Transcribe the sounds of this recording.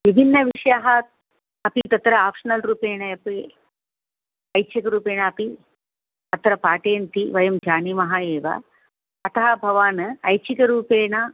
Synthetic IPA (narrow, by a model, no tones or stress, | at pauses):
ʋibʱinːɐʋiʂɐjaɦɐt̪ | ɐpit̪ɐt̪ɾɐaːpʂɐnɐlɾuːpeːɳɐjɐpi | ɐjt͡ʃikɐɾuːpeːɳɐːpi | ɐt̪ɾɐpaːʈeːnt̪iʋɐjɐmd͡ʒaːnimɐɦaːjeːʋɐ̰ː | t̪ɐɦɐbʱɐʋaːnɐjt͡ʃikɐɾuːpeːɳɐ